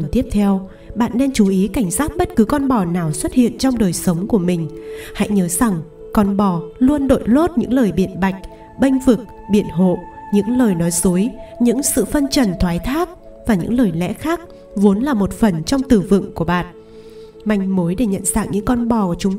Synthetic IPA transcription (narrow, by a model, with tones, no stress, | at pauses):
nt̪i˦˥əp̚t̪ʰɛ˧w | ɓa̰ː˧˨nːɛ˧nt͡ɕu˨˦ʔi˨˦ka˧˩jŋ̟saː˦˥k̚ɓə˦˥t̚kɨ˨˦kɔ˧nɓɔ˨˩naː˨˩wswə˦˥t̚hḭ˧˨ənt͡ɕɔ˧wŋ͡mɗəː˨˩jsə˨˦wŋ͡mku˧˩əmï˨˩ŋ̟ha̰˧˥jɲəː˨˦z̥a˨˩ŋ | kɔ˧˩nɓɔ˨˩lu˧ənɗo̰˧˨jlo˦˥t̚ɲɨ̰˧˥ŋləː˨˩jɓḭ˧˩˨ənɓa˨˩jk̟̚ | ɓə˧jŋ̟vɨ˨˩k̚ | ɓḭ˧˩ənɦo̰˧˨ɲɨ̰˧˥ŋləː˨˩jnɔ˨˦jzu˨˦jɲɨ̰˧˥ŋsɨ̰˧˨fə˧nt͡ɕə˨˩nt̪ʰwaː˨˦jt̪ʰaː˦˥k̚ | vaː˨˩ɲɨ̰˧˥ŋləː˨˩jlɛ̰˧˥xaː˦˥k̚ | vo˨˦nlaː˨˩mo˨˩t̚fə˨˩nt͡ɕɔ˧wŋ͡mt̪ɨ˨˩vɨ̰˧˨ŋku˧˩əɓa̰ː˧˨n | ma˧˩jŋ̟mo˨˦jɗe˧˩ɲə̰˧˨nzaː˧˥ŋ̚ɲɨ̰˧˥ŋkɔ˧nɓɔ˨˩ku˧˩ət͡ɕʊ˨˦